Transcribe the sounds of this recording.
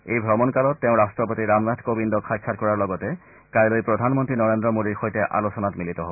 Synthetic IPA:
ejbʱɹɔmɔnkalɔtːɛʊ̃ɹastɹɔpotiɹamnadʰkobindɔkʰxajkʰːat̚kɔɹaɹlɔɡɔtɛ | kajlojpɹodʱanmɔntɹinɔɹendɹɔmodiɹxojtɛʔa̰losɔnatmilitɔɦob

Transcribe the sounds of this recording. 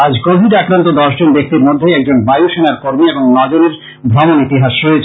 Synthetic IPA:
ad͡ʑkobʱiɖakɾant̪od̪ɔʃd͡ʑonb̪ek̚ʰt̪iɾmod̪ʱːeɛk̚d͡ʑonbajuʃenaɾkoɾmieboŋnɔd͡ʑoneɾ | bʱɾɔmonit̪iɦaʃɾoet͡ɕʰ

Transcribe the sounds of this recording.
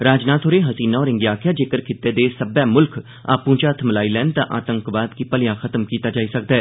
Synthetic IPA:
ɾaːd͡ʒnaːt̪ʰoːɾeːɦəsiːnaɔːɾɪŋɡjaːkʰjaːd͡ʒeːkəɾkʰɪt̪ːeːd̪eːsəbɛːmʊlkʰ | a̰ːpũːt͡ʃaːt̪ʰməlaːiːlɛːnt̪ãːʔaːt̪ə̃ŋkʋaːd̪kipəlɪjãːkʰət̪əmkiːt̪aːd͡ʒaːisək̚d̪aɛː

